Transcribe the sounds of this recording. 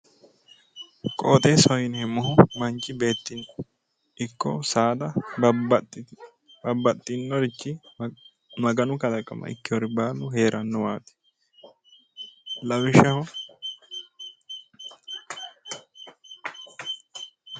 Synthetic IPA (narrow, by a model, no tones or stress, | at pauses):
kʼoːt̪ʼesɔjɪnɛmːɐɦʊmɐnt͡ʃʼːɪbe̞ːt̪ːɪn | ɪkːɔsaːd̪ɐ | bɐbːɐt̪ʼːɪnːɔd̪ɪt͡ʃːɪ | mɐɡɐnʊkɐlɐkʼːɐ̰mɐ̰ɪ̰kːɪwɔɾɪbaːlːʊhe̞ːɾʔɐnːɔwaːt̪ɪ̥ | lɐwɪʃɐhʊ